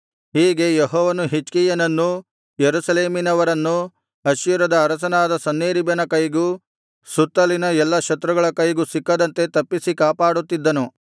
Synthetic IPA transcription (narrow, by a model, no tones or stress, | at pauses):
hiːɡe̞jeɦɔːʋɐnuɦit͡ʃkijɐnɐnːu | jeɾusɐleːminɐʋɐɾɐnːu | ɐʃjuɾɐd̪ɐːɾɐsɐnaːd̪ɐsɐnːeːɾibɐnɐkɐjɡu | sut̪ːɐlinɐɛlːɐkʃɐt̪ɾɐɡɐɭɐkɐjɡusikːɐd̪ɐnt̪e̞t̪ɐpːisikaːpaːɽut̪ːid̪ːɐnu